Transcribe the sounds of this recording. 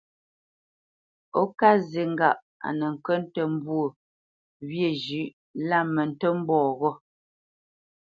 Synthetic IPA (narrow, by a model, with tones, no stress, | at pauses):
o˦ka˦ze˨ŋ̩˦ɡa˨ʔ | a̰˨nə˨ŋ̩˨kə˦n˦tə˨m̩˦bwo˦˨ | βje˨d͡ʒʉ˨˦ʔ | la˦˨mə˨n̩˨tə˦m̩˦bɔː˦˨ɣɔ˦